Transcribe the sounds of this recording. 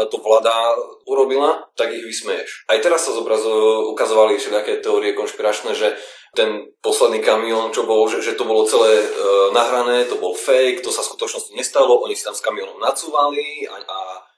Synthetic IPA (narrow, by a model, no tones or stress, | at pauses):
t̪ɔʋlad̪auɾɔbilat̪aɡiɣʋismɛjɛʃajt̪ɛɾasːazɔbɾazukazɔʋaliʃɛd̪akɛːt̪ɛɔːɾiɛkɔnʃpiɾat͡ʃnɛʒɛt̪ɛnpɔslɛd̪niːkamiɔnt͡ʃɔbɔlʒɛʒɛt̪ɔbɔlɔt͡sɛlɛːnaɦɾanɛːt̪ɔbɔlfɛjkt̪ɔsasku̥t̪ɔt͡ʃnɔscɔɲɛst̪alɔʔɔɲisi̥t̪amskamiɔnɔmnat͡suʋalia̰a